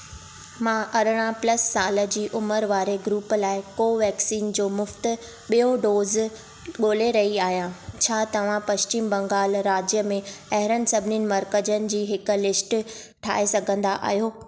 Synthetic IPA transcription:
mãːʔɐɾəɽ̃ãplɐsːaːlə̆d͡ʑiːʔʊməɾʋaːɾeɡɾuːplaːɪkoːʋɛːksiːnd͡ʑoːmʊft̪ʊ̆ | ɓijõɖoːz | ɠoːleɾɐɦiaːɦijãt͡ɕʰaːt̪ɐʋ̤ãpɐʃt͡ɕiːmbɐ̃ŋɡaːlɾaːd͡ʑjəmẽɐɦɪɾənɪ̆sɐbʱɪninɪ̆mɐɾkəd͡ʑənɪ̆d͡ʑiːɦɪkʊ̆lɪsʈ | ʈʰa̰ːesɐɡʱə̃nd̪aʔa̰ːɦijoː

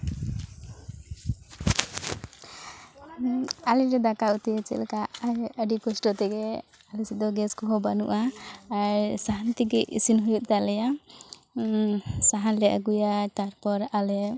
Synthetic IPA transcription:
alɛɾɛd̪akaut̪iət͡ʃɛ̰ʔlkaʔaəɖikɔsʈɔt̪ɛɡɛ | alɛsid̪ɔɡɛskɔɦɔbanṵʔaː | ɾsaɦant̪iɡɛʔisinɦujuʔ̪̚t̪alɛja | saɦanlɛʔa̰ɡujat̪aɾpɔɾalɛ

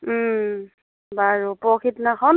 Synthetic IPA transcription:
baɹupɔkʰitnaxɔn

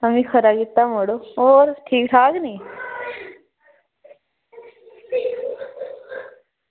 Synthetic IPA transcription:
əmĩkʰəɾaɡit̪ːamoɽooːɾʈʰiːkʈʰaːkniː

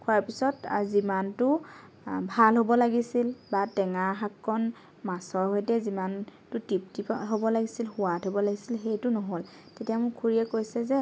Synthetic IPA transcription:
kʰʊaɹpisɔtzimantʊ | bʱalɦobɔlaɡisilbatɛŋaxakʰːɔn | masɔɹɦojtɛzimantʊtip̚tipɦobɔlaɡisilxʊwatʰɦobɔlaɡisilxejtʊnɔɦol | tetijamʊkʰuɹijɛkojsɛzɛ

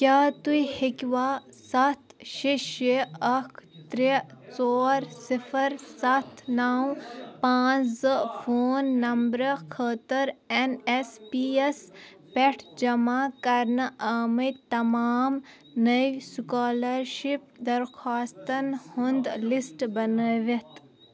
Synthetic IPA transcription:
kʲjaːt̪uihikʲʋaːsɐt̪ʰʃiʃeɐkʰt̪ɾet͡soːɾsipʰɐɾsɐt̪ʰnaːwpãːt͡ʃzɨpʰoːnːɐmbɾəkʰət̪əɾenespies | peʈʰd͡ʒɐmaːkɐɾnɨaːmɐt̪ɐmaːm | nɐjsukaːlɐɾʃip̚d̪ɐɾxʰaːst̪ɐnhund̪lisʈbɐnəʋet̪

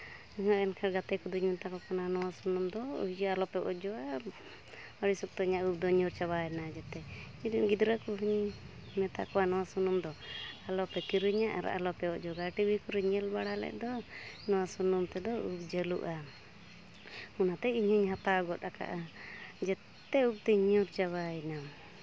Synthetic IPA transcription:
ɦɔɛnkʰaɾɡat̪ɛkɔd̪uɲmunt̪akɔkananɔwasunumd̪ɔṵd͡ʒalɔpɛʔɔ̰ʔd͡ʒɔa | ɔɽisɔk̚t̪ɔiɲaʔup̚d̪ɔɲuɾt͡ʃaβaɛnad͡ʒɛt̪ɛ | id̪unɡid̪ɾakuɦuɲ | mɛt̪a̰ʔkɔanɔwasunumd̪ɔalɔpɛkiɾuɲaʔa̰ɾa̰ʔa̰lɔpɛɔʔd͡ʒɔɡaʈibikuɾuɲɛlbaɽalɛ̰ʔd̪ɔnɔwasunumt̪ɛd̪ɔup̚d͡ʒɛlṵʔa | unat̪ɛiɲhuɲɦat̪aɡɔt̪̚aka̰ʔad͡ʒɛt̪ | ɛup̚t̪ɛɲuɾt͡ʃaβaɛna

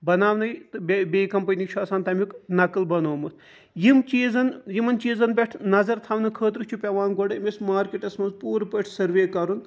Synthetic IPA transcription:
bɐnaːʋnɐjt̪ɨbʲbʲeːkɐmpɐnʲikt͡ʃʰaːsaːnt̪ɐmiknɐkɨlbɐnoːmɨt̪ʰ | jimt͡ʃiːzɐnjimɐnt͡ʃiːzɐnbʲɐʈʰnɐzɐɾt̪ʰɐːʋnɨkʰəːt̪̬ɾut͡ʃʰupʲɐʋaːnɡɔɖɨmʲismaːɾkiʈɐsmɐnzpuːɾpəʈʰsɐɾʋeːkɐɾun

